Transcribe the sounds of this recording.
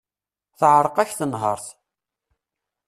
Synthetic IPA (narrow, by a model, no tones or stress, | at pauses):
θəʕɾˤqæçθənɦə̰ɾˤθ